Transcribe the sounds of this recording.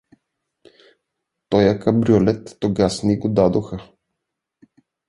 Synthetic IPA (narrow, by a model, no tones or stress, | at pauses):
t̪ɔjakɐbɾiolɛt̪ːoɡasniɡod̪ad̪oxə